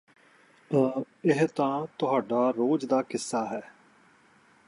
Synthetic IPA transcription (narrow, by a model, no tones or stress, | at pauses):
ɪɦt̪ãːt̪ʊɦaːɖaːɾoːd͡ʒd̪aːkɪsːaːɦɛː